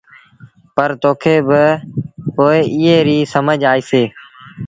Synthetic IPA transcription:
pəɾt̪oːkʰeːbɪpoːɪɪːɦeːɾiːsəməd͡ʒaːiːseː

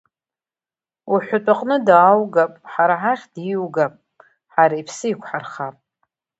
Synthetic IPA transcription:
uħʷatʷʼaqʼnɨdaːwɡapʼħaɾaħaχʲd̥iwɡapʼ | ħaɾaipʰsɨikʷʰħarχapʼ

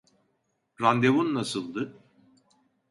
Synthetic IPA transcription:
ɾand̪evunːasɯlˠd̪ɯ

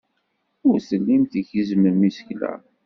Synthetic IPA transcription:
ʊɾsəlːimθiçəzməmisə̥çlæ̰

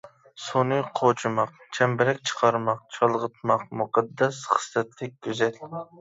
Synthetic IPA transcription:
sonɨjqʰot͡ʃʰɨmɑq | t͡ʃʰɛmbɪɾɛkʲt͡ʃʰə̥qʰɑɾmɑq̚t͡ʃʰɑlˠʁət̪̚ʰmɑqmʊqɑd̪ːɛsχə̥slɛt̪lɪk̚ʲkʲyzɛl

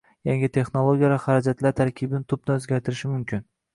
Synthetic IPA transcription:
jaŋɪt̪ʰe̞χnolˠoɡʲijavaχaɾad͡ʒat̪ʰlaɾt̪ʰaɾkʲʰɪbɪnɪt̪ʰʊb̚nɪɵzɡʲaɾt̪ʰɪɾɪʃɪmʊmkʲʰɪn

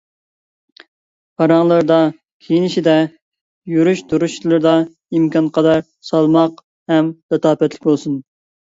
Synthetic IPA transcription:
pʰɑɾɑŋlˠɨɾd̪ɑ | kʲʰejinɪʃid̪ɛ | jyɾyʃd̪uɾuʃlˠɨɾd̪ɑ | imkʰɑnqʰɑd̪ɑɾ | sɑlˠmɑq | hɛmd̪̥ɛt̪ɑːpɛt̪lɪkʲbolˠsun

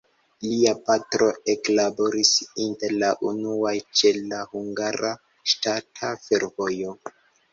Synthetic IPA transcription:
liapatɾo̞eklabo̞ɾisinteɾlaʔunuajt͡ʃe̞lahuŋɡaɾa | ʃtatʰafe̞ɾvo̞jo̞

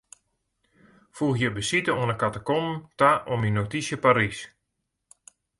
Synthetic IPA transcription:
fuxjəbəsitəoənəkatakomtaʔominotisjəpaɾis

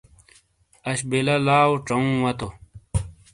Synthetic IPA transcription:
ɐɕbelɐlaːwʈ͡ʂɐũwɐt̪o

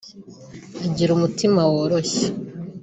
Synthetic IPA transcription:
aɟiɾumutimawoɾoçe

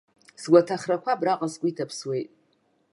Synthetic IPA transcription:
sɡʷatʰaχrakʷʰabraqʼasɡʷʼʊitʰapʰswe̞jtʼ

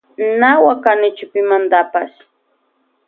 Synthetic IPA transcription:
nawakanɪt͡ʃʊpɪmand̪apaʃ

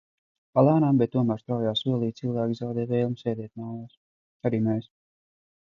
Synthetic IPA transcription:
palˠaːnambɛt̪̚ːuɔmæːɾst̪ɾawjaːsuɔlˠiːt̪silˠvæːkʲizawd̪ɛːvɛːjlˠmsɛːd̪ʲɛt̪̚nawjaːs | aɾiːmɛːs

